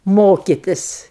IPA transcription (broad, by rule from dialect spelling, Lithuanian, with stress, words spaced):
ˈmoːkʲɪtʲɪs